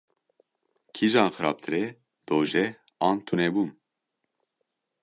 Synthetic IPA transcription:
kʰiʒɑːnxɨɾɑ̰ːp̚t̪ʰɨɾɛ | d̪̥oːʒɛ | ɑːnt̪ʰunɛbuːn

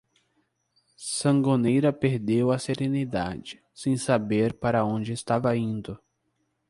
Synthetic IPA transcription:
sɐ̃ŋɡonejɾɐpeɾd̪ewɐseɾẽnid̪a̰d͡ʒɪ | sẽj̃sabeɾpaɾɐõd͡ʒɪːst̪avɐĩnd̪ʊ

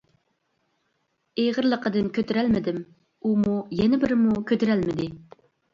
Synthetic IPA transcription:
ejʁəɾlˠəqʰəd̪ɨnkʲʰøt̪yɾælmɪd̪ɪm | umujɛnɪbɪɾɪmukʲʰøt̪yɾælmɪd̪ɪ

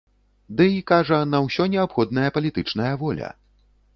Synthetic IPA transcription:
d̪ɨikaʐɐnɐwsʲɔnʲɛapxɔd̪̚nɐjɐpɐlʲit̪ɨt͡ʂnɐjɐvɔlʲɐ̰

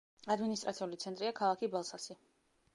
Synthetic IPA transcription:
ad̪minist̪ʼɾʔat̪siulit̪sʰɛnt̪ʼɾiakʰalˠakʰibalˠsasi

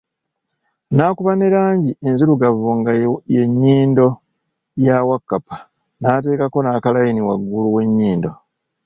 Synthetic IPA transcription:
naːkuβaneɾaːɲɟienzuɾuɡavuŋɡaje̞ɲːiːndo̞ | jawakːapḁ | naːte̞ːkako̞naːkalajiniwaɡːuluwe̞ɲːiːndo̞

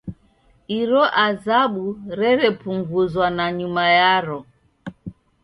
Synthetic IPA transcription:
iɾɔʔazaɓuɾɛɾɛpuŋɡuzwanaɲumajaɾɔ

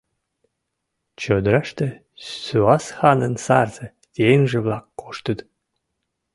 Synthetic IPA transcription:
t͡ɕød̪ɾɑʃt̪ĕ | syɑsxɑnənsɑrzə̆ | t̪ʲenʒĕβlɑkːoʃt̪ət̪

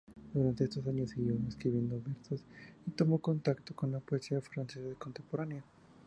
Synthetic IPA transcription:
d̪uɾant̪e̞est̪os̬aɲosiɣiβameskɾiβje̞nd̪oβeɾsosit̪omo̞ko̞nt̪akt̪okonlapoesiafɾansesaðekont̪e̞mpo̞ɾanea

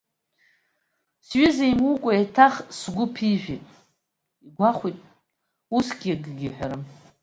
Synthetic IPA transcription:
sɥizejmukʷʼaetʰaχsɡʷʊpʰiʒʷᶣitʼ | iɡʷaχʷitʼ | usɡʲiɡɡʲɪħʷᶣaɾɨm

